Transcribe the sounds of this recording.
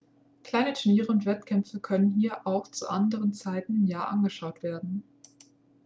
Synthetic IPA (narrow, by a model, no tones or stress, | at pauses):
kl̥aɪnətʰʊɐniːʁəʊntv̥ɛtkʰɛmfəkʰœnənɦiːɐʔaʊxt͡sṵʔandəʁənt͡saɪtn̩ɪmjaːʔanɡəʃaʊtv̥eːɐdn̩